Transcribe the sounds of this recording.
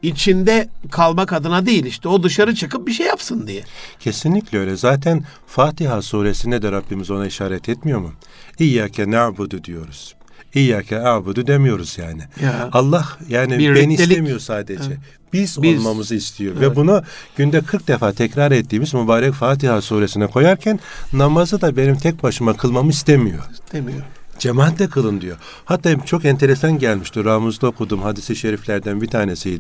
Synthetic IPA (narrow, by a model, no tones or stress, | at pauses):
it͡ʃʰind̪ɛkʰalˠmakad̪ɯnad̪ejilʲiʃt̪ɛo̞d̪ɯʃaɾɯt͡ʃʰɯkɯp̚biʃ̬ejapsɯnd̪ijɛcʰe̞sinlʲicʲlʲɛøjlʲɛzaːt̪ʰæn | faːt̪iɦasuːɾesinɛd̪ɛɾabːimizo̞naiʃaːɾɛt̪ʰɛt̪mijo̞mu | iːjacʰɛnabɯd̪ud̪ijo̞ɾuz̥ | iːjacʰɛnabud̪ud̪emijo̞ɾuz̥jaːnɪalˠːahjaːniɾenitʲemijo̞ɾsaːd̪ed͡ʒɛ | b̥izolˠmamɯzɯist̪ʰijo̞vɛbunuɟ̥ynd̪ɛkʰɯɾk̚d̪efaːt̪ʰɛcɾaɾɛt̪ːiːmizmubaːɾɛcfaːt̪̬ʰihasuːɾe̞sinɛkʰo̞jaɾcʰænːamazɯd̪abe̞nimt̪ʰɛc̚baʃɯmakʰɯlˠmamɯist̪ʰemijo̞̰d͡ʒemaːt̪d̪ɛkʰɯlˠɯnd̪ijo̞ | hat̪ːaːt͡ʃʰo̞kɛnt̪ʰe̞ɾesanɟælʲmiʃt̪iɾamɯzd̪aokʰud̪uːmhad̪isiʃeɾiflʲæɾd̪ænbit̪ʰaːne̞sijd̪